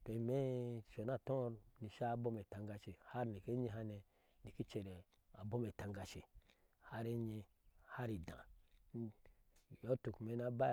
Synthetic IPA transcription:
to˨me˦ʃo˨na˦˨tõ˦ɾni˨ʃa˦bo˦me˨tã˨ŋɡa˨ʃi˨ha˦ɾni˨ke˦ɲi˦ɦa˦ne˨ | ni˨ki˦t͡ʃe˨ɾe˨ | a˨bo˦me˨tã˨ŋɡa˨ʃi˨ | ha˦ɾe˦ɲe˧ | ha˦ɾi˨dã̰˨˦˨ | jo˦tu˨kme˨˦na˦ba˦

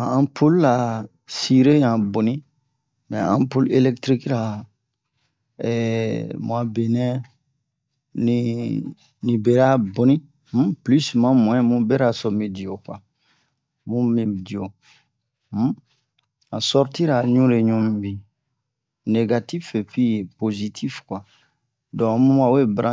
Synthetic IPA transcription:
ã˨ã˦pʰo˦lːa˨ | si˨ɾe˦jã˨bo˨nĩ˦ | mɛ̃˨ã̰˦po˦le˦lɛ˦kt̪ɾi˦kɾa˨ | ɛmũ˨a˨be˨nɛ̃˦ | ni | nĩ˨be˨ɾa˦bo˨nĩ˦ | m̩̃˦ply˦smã˦mũ˨ɛ̃˦mũ˦bɛ˦ɾa˨sɔ˨mẽ˨di˨o˨kwa˨ | mũ˦mĩ˦di˨o˨ | m̩˦ | ã˨sɔ˦ɾti˦ɾa˨ɲũ˦ɾe˨ɲũ˦mĩ˨bi˨ | ne˨ɡa˨ti˦fe˨pi˦˨po˨zi˨tʰi˦fkwa˨ | dɔ̃˨mũ˦a˨we˦bɾʔã˦

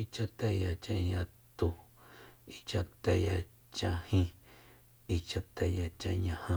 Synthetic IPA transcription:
i˧t͡ʃa˧t̪e˧ja˧t͡ʃã˧ĩ˧ɲã˧t̪u˧˨ | i˧t͡ʃa˧t̪e˧ja˧˨ | t͡ʃã˧hĩ˧ | i˧t͡ʃa˧t̪e˧˨˧ja˧˨t͡ʃã˧ɲã˧hã˧

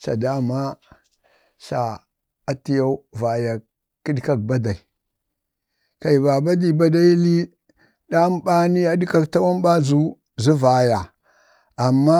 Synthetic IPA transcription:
sa̰˨da˦ma˦ | sa̰˨ | a˨ti˦ja˦u˦va˨ja˨ | ki˦dka˦k̚ba˦da˨i˨ | ka˨i˨ba˨ba˦di˨ba˦da˦i˦li˦ | ɗa˦m˦ba˦ni˦a˦dka˦kta˦wa˦mba˦zu˦ | zu˦va˨ja˨ | a˨mːa˦

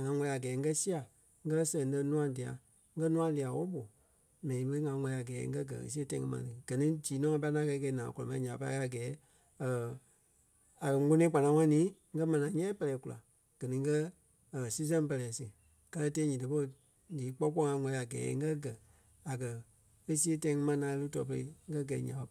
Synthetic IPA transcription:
ŋã˨˧˦ŋʷɔ̃˧i˦a˨ɡɛː˨˦ŋ̩˦ɡɜ˦si˦a˨ | ŋ̩˦ɡɜ˦lsɛ̃˨ŋ˦lə˧˦nũ˦ã˧di˨a̰˨ | ŋ̩˦ɡɜ˦nũ˦ã˧li˧˨a˨wɔ˦ɓo˨ | mɛ̃˨nĩ˨˦ɓə˧˦ŋã˧˦ŋʷɔ̃˧li˧˨a˨ɡɛː˨˦ŋ̩˦ɡɜ˦ɡɜ̰˨ə̰˨s̬i˦tã˧˨˦ŋɛ̃˧mã̰˨tɨ˨ɡ̥ɜ˨nĩ˦d͡ʒiː˨˦nɔ̃˦ã˧p̬a˧˦nã˦kɛ˧˦kɛ˧˨˦nãː˨kɔ˨lɔ˨mã˨ĩ˦ɲã˨pa˧i˦ka˦˨ɡɛː˨˦ | əː˨ | a˨kɜ˨˦o˦nĩ˦k͡pa˨nã˨˦ŋã˦nĩː˨˦ŋ̩˦ɡɜ˦mɛ̃˨nã˨˦ɲɛ̃˦pɛ˧lɛː˨˦ku˧la̰˨ | ɡ̥ɜ˨nĩ˧ŋ̩˦kɜ˦˨ | si˦s̬ɛ̃˦pɜ˧lɛː˨sɨ˨ | ka˧˦lə˧teː˧˦ɲĩ˨də˨˧po˧˦˨ | liː˨˦k͡pɔ˦k͡pɔ˦ŋã˧˦ŋɔ̃˧li˦a˨ɡɛ̰ː˨˦ŋ˦ɡɜ˦ɡɜ˨ | a˨kɜ˨ | e˦si˦e˦tã˧ĩ˧ŋɨ̃˧mã˧nãː˨˧˦e˧lu˦tɔː˨˧pə˧ḛ˧˨ŋ̩˦ɡɜ˦ɡɛ˨ḭ˨˦ɲã˨˧˦

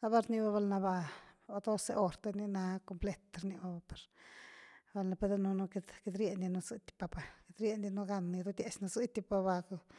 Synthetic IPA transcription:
a˦ba˧ɾni˧ba˧ba˧lna˧ba˧o˧d̪o˦se˧ʔo˧ɾt̪e˧ni˦na˧ko˧mple˦t̪ɾni˧ba˧ba˧pe˨ɾ | ba˧lna˧pe˧d̪e˦nu˧no˧ke˧d̪ke˧d̪ɾje˧˨nd̪i˧nu˧zɨ˦t̪ʲi̥˧pa˧pa˨ke˧d̪ɾʲje˧˦nd̪i˧nu˦ɡa˧ni˧d̪u˦d̪ʲje˧t͡ʃna˧zɨ˦t̪ʲi˧pa˧ba˧k

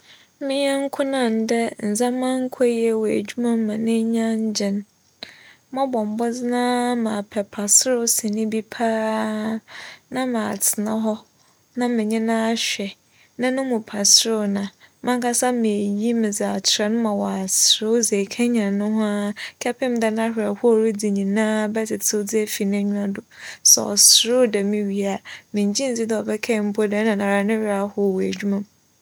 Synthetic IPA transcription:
mɪ̃˦ɲɛ˦ŋ̩˦kʰʊ˦nã˨n˨dɛ˦n̩˨zã˦mã˦ŋ̩˦kʰɔ˦jɛ˨wɔ˨æ̰˨d͡ʑu˦mã˦mã˨nɪ̃˦ɲã˦ɲ˦d͡ʑɪ̃˨n | mã˦bɔ̃˨m˨bɔ˦d͡zɪ˦nã˦mã˨pʰɛ˨pʰa˨sɾʊ˦sĩ˨nɪ̃˦bi˦pʰaː˦ | nã˦mã˨a˨tʰɪ˨nã˦ɦɔ˦ | nã˦mɪ̃˨ɲɪ̃˦nã˦a˦˨ɕᶣɛ˨ | nã˦nʊ̃˦mʊ̃˨pʰa˨sɾʊ˦nã˨mã˦ŋkʰa˦sa˦mɪ̃˨e˨ji˦mɪ̃˨d͡za˨a˨tʰɾa˨nʊ̃˦mã˨wɔ˨a˨sɾʊ˦d͡ze˨kʰɛ̃˦ɲã˨nʊ̃˦ɦʊ̃˦a˦kʰɛ˦pʰɪ̃˦m˦dɛ˨˦nã˦hᶣɪ˨a˨hʊ˦ɔ˨ɾi˦di˨ɲĩ˨nã˦bɛ˦t͡sɪ˨tʰo˦d͡zɪ˦ɛ˦fi˨ñ˦æ˦ɲᶣũ˦ã˦dʊ˨sɛ̰˨ɔ̰˨sɾʊ˦dɛ˨mɪ̃˦ɥi˨a˦˨mɪ̃˨ɲ˨d͡ʑĩ˦n̩˨d͡zi˦dɛ˦˨ɔ˨bɛ˦kʰɛ˦˨m̩˦bo˦dɛ˨˦nã˨nã˨ɾa˨nɪ̃˦hᶣɪ˦ɾa˨˦hʊ˦˨wæ˨d͡ʑᶣu˦mã˨m

